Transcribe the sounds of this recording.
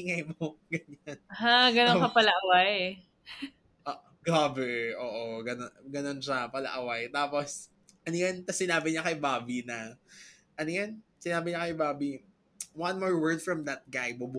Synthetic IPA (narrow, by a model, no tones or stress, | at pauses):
ɪŋɐjmoɡɐɲanaɡɐnokɐpɐlɐʔɐwaj | ʔʔ | ɡaːbɛʔoːʔoɡɐnoɡɐno̞nʃɐpɐlɐ̰ʔɐwajt̪aːpos | ʔɐnojant̪ɐsɪnaːbɪɲɐkɐjbaːbinɐ | ʔɐnojansɪnaːbɪɲɐkɐjbaːbi | wanmɔːɹwɜɹd̪̚fɹɐmd̪ɐt̪̚ɡajbʊbu